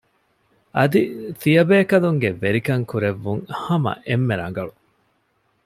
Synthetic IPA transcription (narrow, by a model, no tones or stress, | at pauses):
ʔɐd̪it̪ijɐbeːkɐluŋɡeʋeɾikɐŋkuɾeʋːuŋhɐmɐ̰ʔemːeɾɐ̰ŋ̆ɡɐɭu